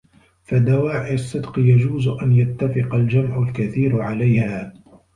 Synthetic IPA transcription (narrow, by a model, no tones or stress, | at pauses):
fad̪awaːʕɪasˤːɪd̪qɨjad͡ʒuːzʔanjat̪ːafɪqɑld͡ʒamʕʊlkaθiːɾʕalajhaː